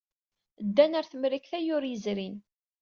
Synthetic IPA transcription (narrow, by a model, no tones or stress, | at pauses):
d̪ːænæɾθəmɾikθæjʊɾjəzɾin